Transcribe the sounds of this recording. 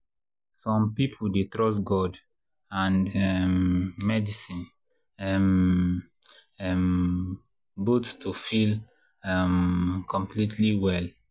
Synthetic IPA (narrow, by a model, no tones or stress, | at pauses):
sɔ̃mpipʰuldetɹɔs̬ɡɔd | ãnɛmːɛdisĩn | ɛm | ɛm | bottufil | ɛmkʰɔ̃mplitʰliwɛl